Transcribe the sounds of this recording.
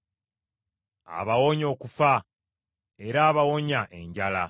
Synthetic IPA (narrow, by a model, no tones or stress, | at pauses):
a̰βawoɲo̞ːkufa | e̞ɾaːβawoɲaʔe̞ɲɟala̰